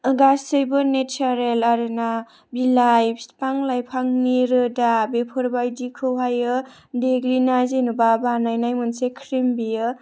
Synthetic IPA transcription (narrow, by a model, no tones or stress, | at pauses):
ɡasɯjbɯnet͡ʃʰaɾelaɾɯna | bilajpspaŋlajpʰaŋniɾɯdabepʰɔɾbajdikʰɯwɦajɯ | deɡɾinazinubabanajnajmɯnsekʰɾimbiɯ